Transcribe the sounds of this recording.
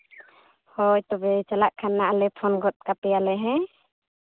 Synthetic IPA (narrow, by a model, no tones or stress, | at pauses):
hɔjt̪ɔbɛt͡ʃalaʔkʰanːaʔalɛpʰɔnɡɔt̪̚kapɛjalɛɦɛ